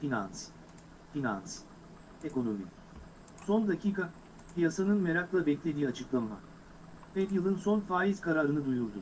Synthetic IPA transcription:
finans | fina̰ns | e̞ko̞no̞mi | so̞nd̪acʰiːka | pijasanɯnme̞ɾaklˠabɛclʲe̞d̪iːat͡ʃʰɯklˠanma̰ | pɛt̪jɯlˠɯnso̞nfaːjiz̥kʰaɾaːɾɯnɯd̪ujuɾd̪u

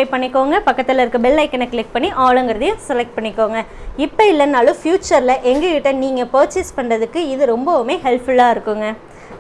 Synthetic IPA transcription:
ɐɪpɐɳːɪkːoːŋɡɐpɐkːɐt̪ːɪlɐɪɾɯkːɯbɪlːɐɪkːɪnɐkɭɪk̚pɐɳːiʔaːɭɯŋɡɪɾɐðɯjʊ̃sɛlɛk̚ʈ̚pɐɳːɪkːoːŋɡɐɪpːɐɪlːɐnːaːlɯ̃fjuːt͡ʃɐɾɪlɐʔɛŋɡɐkɪʈːɐniːŋɡɐpoːt͡ʃːɪspɐɳrɐðɯkːɯɪðɯɾɔmbɐʋmeːɦɛlpʊlːaːɪɾɯkːɯŋɡɐ

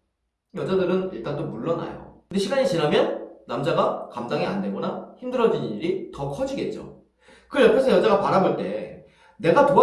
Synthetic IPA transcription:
jʌd͡ʑadɯɾɯniɭt͈andomuɭːʌna̰jo̰kɯndeɕʰiɡaɲit͡ɕinɦamjʌnːamd͡ʑaɡakamdaŋia̰ndeɡʌnaçimdɯɾʌd͡ʑiɲiɲiɾitʌkʰʌd͡ʑiɡe̞t̚t͡ɕ͈o̰ | kɯjʌpʰesʰʌjʌd͡ʑaɡapaɾaboɭt͈e̞ | ne̞ɡatoa

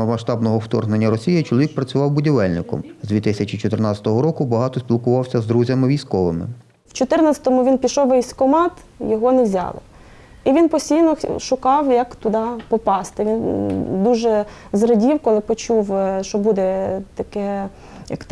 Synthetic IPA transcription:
ɐmɐʃt̪ɑbnɔɦɔwt̪ɔ̰rɦnenʲːɐɾɔsʲijɪt͡ʃɔlˠɔʋʲik̚pɾɐt͡sʲʊʋɑwbʊdʲiʋɛlʲnɪkɔ̰mzd̪ʲʋʲit̪ɪsʲɐt͡ʃit͡ʃɔt̪ɪrnɑt͡sʲɐ̥t̪ɔɦɔɾɔkʊbɐɦɑt̪ɔsʲpʲilˠkʊʋɑwsʲɐzd̪ɾuzʲɐmɪʋʲijsʲkɔʋɪmɪ̰ | wt͡ʃɔt̪ɪrnɐt͡sʲɐt̪ɔmʊʋʲinpʲiʃɔwʋɛsʲkɔmɑt̪ | jɔɦɔnɛʋzʲɑ̰lˠɪ̰ | iʋʲinpɔsʲtʲijnɔʃʊkɑwjɐkt̪ʊd̪ɑpɔpɑst̪ɪʋʲind̪uʒɛzrɐdʲiwkɔlˠɪpɔt͡ʃuwʃɔbud̪ɛt̪ɐkɛ | jɐk

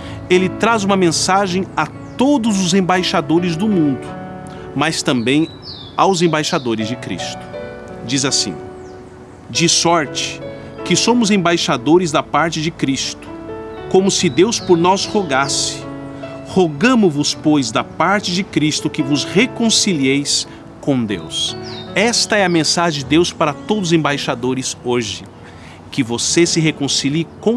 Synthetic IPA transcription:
elɪt̪ɾazũmɐmẽsaʒẽj̃a | t̪od̪ʊzʊzẽbajʃad̪oɾɪzd̪ʊmũnd̪ʊ | mast̪ɐ̃mbẽj̃ | awzẽbajʃad̪oɾɪzd͡ʒɪkɾḭst̪ʊ̥ | d͡ʒizasḭ̃ | d͡ʒɪsɔɾt͡ʃɪ̥ | kɪsõmʊzẽbajʃad̪oɾɪzd̪ɐpaɾt͡ʃɪd͡ʒɪkɾist̪ʊ̥kõmʊsɪd̪ewspoɾnɔshoɡasɪ̥hoɡɐ̃mʊvʊspojzd̪ɐpaɾt͡ʃɪd͡ʒɪkɾist̪ʊkɪvʊzhekõsiliejs | kõd̪ḛwsɛst̪ɐɛɐmẽsaʒẽd͡ʒɪd̪ewspaɾɐt̪od̪ʊzẽbajʃad̪oɾɪzoʒɪ | kɪvosesɪɦekõsilikõ

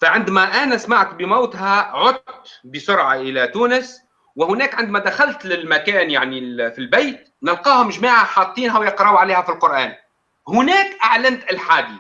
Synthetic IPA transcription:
faʕɪnd̪mæʔænæsmaʕt̪bɪmaːt̪ɦæʕʊt̪t̪bəsʊɾʕaʔɪlæt̪uːnəs | wɪhʊnæːkʕɪnd̪mæd̪axalt̪lɪlmækæːnjaʕnifilbejt̪ | nɪlqɑːhʊmʒmaːʕaħɑːt̪ˤːiːnɦæwjɑqɾɑwʕaleːhæfilqʊɾʔæːn | hʊnæːkʔaʕlant̪ɪlħaːd̪i

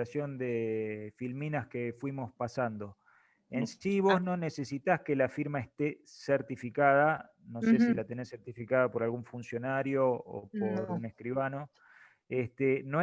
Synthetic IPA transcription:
asjond̪efilminaskefwimo̞spasand̪o̞ | ensiβo̞zno̞nese̞sit̪askelafiɾmaest̪e | seɾt̪ifikað̞a | no̞sesilat̪e̞ne̞sːeɾt̪ifikaðapo̞ɾalɣuɱfunsjonaɾjoo̰poɾuneskɾiβano̞ | est̪eno

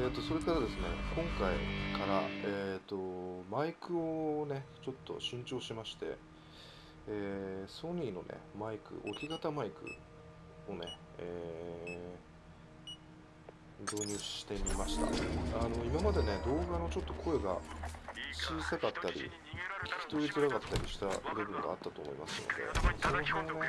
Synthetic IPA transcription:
et̪ːo̞so̞ɾe̞kaɾad̪e̞sɨne̞̰kõ̞ŋkaḭkaɾaeːt̪ːo̞maikɯ̟one̞t͡ɕo̞t̪ːo̞̰ɕĩɲ̟t͡ɕo̞ːɕimaɕi̥t̪e̞̰ | eːso̞ɲ̟ːino̞̰ne̞̰maikɯ̟̰ʔokʲiɡat̪amaikɯ̟̰ | o̞ne̞ | eː | d̪o̞ːɲ̟ʲɨ̥ːi̥t̪e̞mʲimaɕi̥t̪a̰ano̞imamad̪e̞ne̞d̪o̞ːɡano̞t͡ɕo̞t̪ːokʰo̞eɡa̰ | t͡ɕiːsakat̪ːaɾʲḭ | kʲi̥kʲi̥t̪o̞ɾit͡sɨɾaɡat̪ːaɾʲiɕi̥t̪abɯ̟bɯ̟̃ŋɡa̰ːt̪ːat̪o̞ːmo̞̰ḭma̰sɨno̞̰d̪e̞̰sonoɦẽane

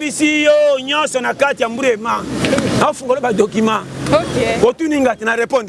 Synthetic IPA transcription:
bisijoɲɔ̃sɔnakatiam̩buɾemanafuŋɡɔɾɔbadokima | kotunĩŋɡatɛnaɾɛpɔ̃nd

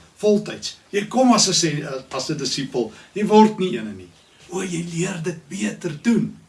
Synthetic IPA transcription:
fɔlˠtɐjtsjəjkɔmɐsəsɛɐsədəsipəlˠjəjvɔrtniiənəni | uəjəjliərdət̚biətərdun

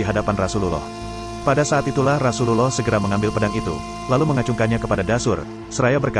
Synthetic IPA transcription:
iɦadapanrasululɔ̰h | padasaːt̪it̪ulahrasululɔhsəɡəɾaməŋambɪlpədaŋit̪ṵ | laluməŋat͡ʃuŋkanɲakəpadadasʊ̰r | səɾajabərka

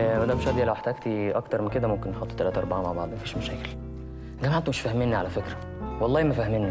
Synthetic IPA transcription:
mæd̪æbeʃæd̪jælæweħt̪æːɡt̪iʔɑkt̪ɑɾˤmenked̪æmomkenːeħot̪ːt̪ælæːt̪æʔɑɾˤbɑʕamaʕbɑʕd̪ˤmæfiːʃmæʃæːkel | ɡæmaʕt̪omeʃfæhmenːiʕalæfekɾæ | wɑlˤːɑːhmæfæhmenːi

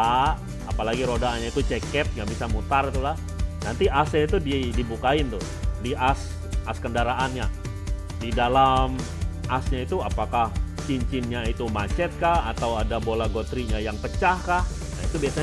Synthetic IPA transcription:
a | a̰palaɡiɾodaːnɲait̪ut͡ʃekɛt̪̚ŋɡabisamut̪arit̪ulah | nant̪iʔasɲait̪udidibukaɪnt̪ʊh | diʔas | ʔaskəndaɾaʔanɲa | didalam | ʔasɲait̪uapakah | t͡ʃiɲt͡ʃɪnɲait̪umat͡ʃɛt̪̚kahat̪awadabolaɡot̪ɾiɲajaŋpət͡ʃahkah | nait̪ubiasa

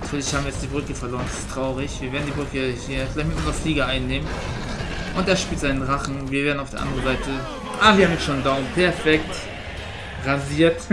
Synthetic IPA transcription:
natʰyːɐlɪçhaːbm̩ijɛt͡std̥iːbʁʏkəfɛɐloːɐəndasɪ̥stʁ̥aʊʁɪçv̥iːɐveːɐdn̩diːbʁʏkəhiːɐɡɪlaɪçtmɪtʔʊnzɐfliːɡɐʔaɪnːeːmən | ʔʊnteːɐʃpiːltz̥aɪnənʁaχn̩viːɐveɐdn̩aʊfd̥eɐʔa̰ndəʁənzaɪtə | ʔaːbɐviːɐaːmjɛʃoːndaʊmpʰɛɐfɛkt | ʁaziːɐt

